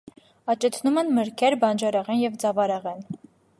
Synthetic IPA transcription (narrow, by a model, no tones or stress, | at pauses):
ɑt͡ʃɛt͡sʰnumɛnməɾkʰɛɾbɑnd͡ʒɑɾɑʁɛnjɛvd͡zɑvɑɾɛʁɛn